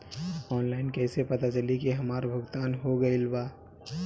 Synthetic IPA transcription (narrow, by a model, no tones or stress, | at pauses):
ɔːnlaːɪnkɛːsepɐt̪at͡ʃɐlikiɦɐmaːɾbʱʊɡt̪aːnɦoɡɐilbaː